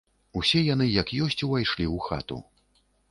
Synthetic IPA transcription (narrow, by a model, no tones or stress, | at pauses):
usʲɛjan̪ɨjɐkjɔsʲt͡sʲuvajʂlʲiuxa̰t̪ṵ